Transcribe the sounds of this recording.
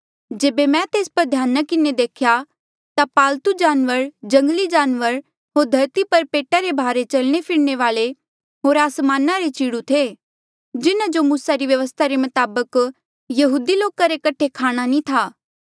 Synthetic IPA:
d͡ʒeːbemɛ̃t̪eːspɐɾd̪ʱjaːnakɪned̪eːkʰja | t̪apaːlt̪ud͡ʒaːnʋəɾd͡ʒɐ̃ŋɡəlid͡ʒaːnʋəɾ | ɦoːɾd̪ʱɐɾt̪ipɐɾpeːʈaɾebʱaːɾet͡ʃɐlɽ̃epʰɪɽñeʋaːle | ɦoːɾaːsmaːnaɾet͡ʃiːɽut̪ʰe | d͡ʒɪnad͡ʒomuːsaɾiʋjɐʋəst̪ʰaɾemɐt̪aːbək | jɐɦuːd̪iloːkaɾekɐʈʰːekʰaːɽ̃anĩt̪ʰaː

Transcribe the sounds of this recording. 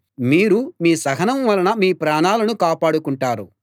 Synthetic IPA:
miːɾumiːsɐɡɐnɐmʋɐlɐnɐmiːpɾaːɳaːlɐnukaːpaːɽukuɳʈaːɾu

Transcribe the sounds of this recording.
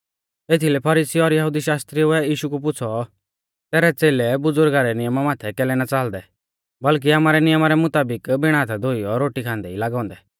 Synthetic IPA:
eːt̪ʰilɛpʰɐɾiːsiɔɾjɐɦud̪iʃaːst̪ɾiʊɛiːʃukup̬ʊt͡sʰɔ | t̪ɛːɾɛt͡seːlɛbʊd͡zʊɾɡaːɾɛnɪjəmamaːt̪ʰɛkɛːlɛnat͡saːld̪ɛ | bɐlk̬iaːmaːɾɛnɪjəmaɾɛmʊt̪aːbɪkbɪɽ̃aːt̪ʰad̪ʱoːiɔɾoːʈikʰãːnd̪ɛilaːɡɔ̃ːnd̪ɛ

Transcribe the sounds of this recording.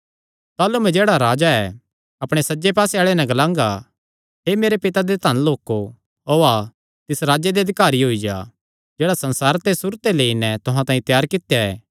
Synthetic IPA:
t̪aːlumɛ̃d͡ʒeːɽaɾaːd͡ʒaɛ | ɐpɽ̃esɐd͡ʒepaːseaːɭenɛ̃ɡɐlãːŋɡa | ɦemeːɾepɪt̪ad̪et̪ɐnloːko | oːa | t̪ɪsɾaːd͡ʒed̪eɐd̪ɪkaːɾiɦoːid͡ʒa̰ | d͡ʒeːɽasɐ̃nsaːɾt̪esʊɾt̪eleːinɛt̪ʊɦãt̪ãːĩt̪jaːɾkɪt̪jaɛ̰ː

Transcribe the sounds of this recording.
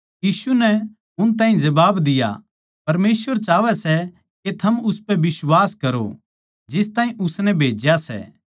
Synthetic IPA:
jiːsunɛ | ʊnt̪̬aːɦĩd͡ʒɐbaːbd̪ɪja̰ | pɐɾmeːsʋəɾt͡ʃaːʋɛsɛ | ket̪ʰɐmʊspɛbɪswaːskɐɾo̰ | d͡ʒɪst̪ãːĩʔʊsnɛbʱeːd͡ʒjasɛ̰

